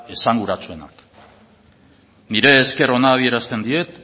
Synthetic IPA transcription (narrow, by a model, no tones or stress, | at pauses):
e̞saŋɡuɾat͡sue̞na̰k | niɾe̞ːske̞ro̞naːβ̞ie̞ɾast̪e̞nd̪ie̞t̪